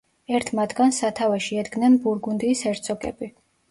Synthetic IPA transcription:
ɛɾt̪ʰmat̪ʰɡansat̪ʰavɛʃiɛd̪ɡnɛnbuɾɡund̪iːsɛɾt̪sʰʼɔkʼɛ̰bi

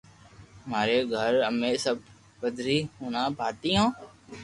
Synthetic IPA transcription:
maːɾeːɡʱəɾəmeːsəb̚ | pəd̪ʱɾiːɦuːnãːbʱaːt̪iːɦãː

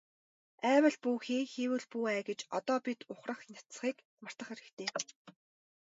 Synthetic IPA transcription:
æːwə̆ɮpuːxeːxewɘ̆ɮpuːæːɡĕt͡ɕɔt̪ɔːpit̪ʊχrə̆χnʲat̪sχiːk | mar̥t̪ə̆χeɾɘ̆kt̪ʰeː

